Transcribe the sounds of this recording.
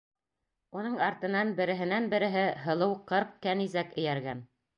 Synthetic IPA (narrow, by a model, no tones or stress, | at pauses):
unɤɴɑɾt̪ɤ̆nɑnbɘ̆ɾɘ̆ɦɘ̆nænbɘ̆ɾɘ̆ɦɘɦɤ̆lˠɤwqɤɾq̚kænizækɘ̆jæɾɡæn